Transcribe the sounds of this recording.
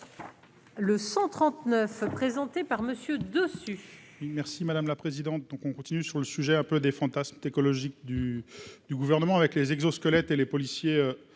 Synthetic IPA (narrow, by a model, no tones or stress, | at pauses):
ləsɑ̃t̪χɑ̃t̪nœfpχezɑ̃t̪epaʁməsjød̪øsy | wimɛʁsimad̪amlapχezid̪ɑ̃t̪̚d̪ɔ̃kɔ̃kɔ̃t̪inysyʁləsyʒɛɛ̃pød̪efɑ̃t̪asmt̪ekɔlɔʒik̚d̪yd̪̥yɡuvɛʁnəmɑ̃avɛklezɛɡzoskɔlɛt̪elepɔlisjeø